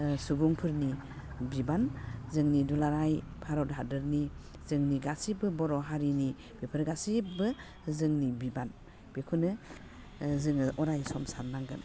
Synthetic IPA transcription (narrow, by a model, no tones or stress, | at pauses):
suɡuŋpʰɯɾni | bibanzɯŋnidulaɾajpʰaɾɔdɦadɯɾni | zɯŋniɡasibɯbɔɾɔɦaɾini | b̥epʰɯɾɡasibɯ | zɯŋnibiban | b̥ekʰunɯ | zɯŋɯʔɔɾajsɔmsannaŋɡɯn